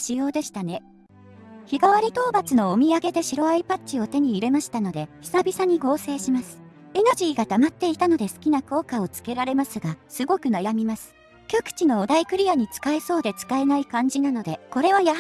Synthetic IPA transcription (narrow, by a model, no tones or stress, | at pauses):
ɕijo̞ːd̪e̞ɕi̥t̪ane̞ | çiɡaβaɾʲit̪o̞ːbat͡sɨno̞omʲiaɡe̞d̪e̞ɕiɾo̞aipatt͡ɕɕio̞t̪e̞ɲ̟iːɾe̞maɕi̥t̪ano̞d̪e̞çʲi̥sabʲisaɲ̟iɡo̞ːse̞ːɕimasɨ̥ | enoʑiːɡat̪amat̪ːe̞it̪ano̞d̪e̞sɨ̥kʲinako̞ːkao̞t͡sɨ̥ke̞ɾaɾe̞masɨɡasɨɡo̞kɯ̟najamʲimasɨ̥ | kʲokɯ̟̥t͡ɕino̞ːd̪aikɯ̟ɾʲijaɲ̟it͡sɨ̥kae̞so̞ːd̪e̞t͡sɨ̥kae̞naikãɲ̟d͡ʑinano̞d̪e̞ko̞ɾe̞βajaɦ